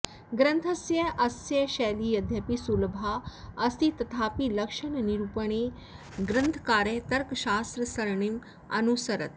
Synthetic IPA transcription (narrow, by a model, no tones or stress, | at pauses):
ɡɾɐ̃nt̪ʰɐsjɐʔɐsjɐʃɛːliːɐd̪ʱjɐpisulbʱaɐst̪it̪ɐt̪ʰaːpilɐkʃəɳniɾupəɳ̃e | ɡɾɐ̃nt̪ʰkaːɾet̪ɐɾkʃaːst̪ɾəsɐɾɳim | ɐ̰nusəɾət̪